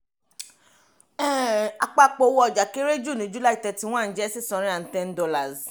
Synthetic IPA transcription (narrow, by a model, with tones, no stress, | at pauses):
ɛ˦˨a˨k͡pa˧k͡po˧˦wɔ˦ɔ˨d͡ʒa˨ke˦ɾe˦d͡ʒu˦˨nĩ˨˦d͡ʒu˦la˦i˦˨tɛ˧ti˦w̃ɔ̃˦˨˦d͡ʒɛ˦si˦˨sɔ̃˧ɾĩ˦a˨tɛ̃˧n˦dɔ˧la˨z